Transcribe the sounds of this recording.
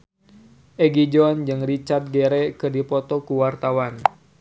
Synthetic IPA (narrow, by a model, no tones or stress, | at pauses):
ʔɛɡid͡ʒɔnd͡ʒɨŋrit͡ʃart̪̚ɡɛɾɛkɨrdipɔt̪ɔkuwart̪awan